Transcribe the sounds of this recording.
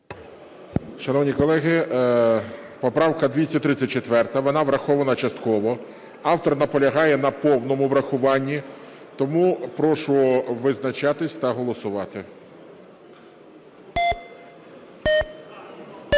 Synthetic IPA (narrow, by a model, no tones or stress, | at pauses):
ʃɐnɔwnʲikɔlˠɛɦɪ | pɔpɾɑwkɐd̪ʲʋʲit͡sʲːɐtʲt̪ɾɪt͡sʲːɐt̚ʲt͡ʃet̪ʋɛrt̪ɐʋɔnɑʋɾɐxɔʋɐnɐt͡ʃɐst̪kɔʋɔ | ɑwt̪ɔrnɐpɔlʲɐɦɑjɛnɐpɔwnɔmʊʋɾɐxʊʋɑnʲːi | t̪ɔmupɾɔʃʊɔʋɪznɐt͡ʃɑt̪ɪsʲt̪ɐɦɔlˠɔsʊʋɑt̪ɪ